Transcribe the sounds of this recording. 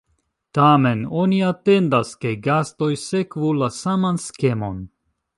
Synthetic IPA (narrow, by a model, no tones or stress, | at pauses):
tame̞no̞niate̞ndaske̞ɡasto̞jse̞kvulasamanske̞mo̞̰n